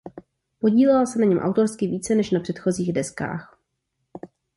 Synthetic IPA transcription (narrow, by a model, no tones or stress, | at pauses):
po̞ɟiːlɛɛlsɛnaɲɛmʔa̰wt̪o̞ɾskɪviːt͡sɛnɛʃnapr̥ɛt̪xo̞ziːɣdɛska̰ːx